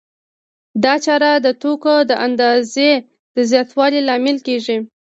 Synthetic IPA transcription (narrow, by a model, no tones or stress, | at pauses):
d̪ɑt͡ʃɑɾad̪ət̪okod̪əʔand̪ɑze | d̪̥əzjɑt̪wɑlilɑmɪlkeʒi